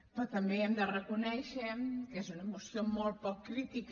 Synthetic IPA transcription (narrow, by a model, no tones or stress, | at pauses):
pɾɔt̪əmbeɛmd̪ərəkunɛʃəkezunəmusiomolˠt̪̚pɔkːɾit̪ik